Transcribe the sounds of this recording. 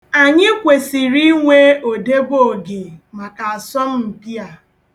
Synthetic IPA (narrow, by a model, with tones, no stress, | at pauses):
a˨ɲɪ˦kʷe˨si˨ɾi˦ŋʷe˦o˨de˦bo˦˨ɡe˨ma˨ka˨a˨sɔ˦m̩˦m̩˨pi˦a˨